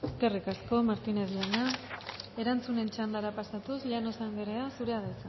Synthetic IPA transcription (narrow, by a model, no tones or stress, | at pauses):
eske̞rikasko̞maɾt̪ineðlana | e̞ɾant͡sune̞nt͡ʃand̪aɾapasat̪usʎanosaŋɡeɾeasuɾe̞aðat͡sa